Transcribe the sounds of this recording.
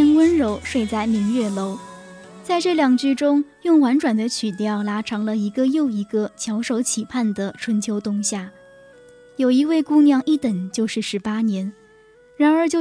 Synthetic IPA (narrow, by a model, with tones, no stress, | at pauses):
nwə˥nɻo˧˥ʊʂwe˥˧ɪt͡sa˥˩ɪmi˧˥ŋɥɛ˥˩lo˧˥ʊ | t͡sa˥˧ɪʈ͡ʂɤ˥˩ljɑ˨˩ŋt͡ɕy˥˩ʈ͡ʂʊ˥ŋjʊ˥˩ŋwa˧˥nʈ͡ʂwa˨˩nd̪ə˦t͡ɕʰy˨˩t̪jɑ˥˩ʊla˥ʈ͡ʂʰɑ˧˥ŋlə˧i˧˥ɡə˧jo˥˩ʊi˧˥ɡə˧t͡ɕʰjɑ˧˥ʊʂo˧˥ʊt͡ɕʰi˨˩pʰa˥˩nd̪ə˩ʈ͡ʂʰwə˧˥nt͡ɕʰjo˧˥ʊt̪ʊ˥˧ŋɕja˥˩ | jo˨˩ʊi˧˥we˥˩ɪku˥njɑ˥˧ŋi˥˩t̪ə˨˩nt͡ɕjo˥˧ʊʂɻ̩˥˩ʂɻ̩˧˥pa˥njɛ˧˥n | ɻa˧˥nə˞˧˥t͡ɕjo˥˧˩